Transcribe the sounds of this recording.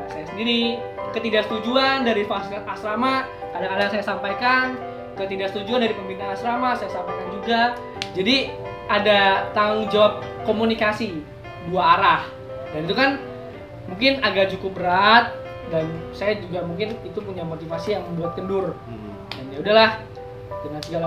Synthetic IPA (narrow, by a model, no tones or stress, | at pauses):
sajasəndiɾi | kət̪idasət̪ud͡ʒuandaɾifaslnʔasɾama | kadaŋkadaŋsajasampajkan | kət̪idasə̥t̪ud͡ʒuandaɾipəmbinaasɾamasajasampajkand͡ʒuɡa | d͡ʒadi | adat̪aŋd͡ʒawap̚komunikasi | duaːɾah | danit̪ukan | muŋkɪnaɡaʔt͡ʃukʊp̚bəɾat̪̚ | dansajad͡ʒuɡamuŋkɪnit̪up̬uɲamot̪ifasijaŋməmbuat̪̚kəndʊr | daniaudahlah | dəŋansəɡala